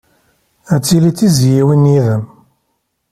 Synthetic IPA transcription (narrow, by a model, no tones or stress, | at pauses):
æt͡sːilit͡sːizjiwinjiðəm